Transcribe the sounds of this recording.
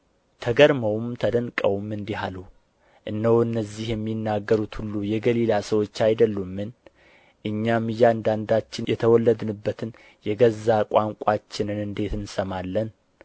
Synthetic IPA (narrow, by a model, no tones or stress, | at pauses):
t̪ʰəɡəɾməwmt̪ʰəd̪ənkʼəwmɨnd̪iɦalu | ʔɨnːəwɨnːəzːihjɛmːinːaɡːəɾut̪hulːujɛɡəlilasəwo̞t͡ʃːajd̪əlːumːɨn | ʔɨɲːamːɨjand̪and̪at͡ʃːɪnjɛt̪ʰəwɔlːəd̪ɨnɨbːət̪ʰɨn | jɛɡəzːakʼaŋkʷʼat͡ʃːɪnɨnɨnd̪e̞t̪ɨnsəmalːən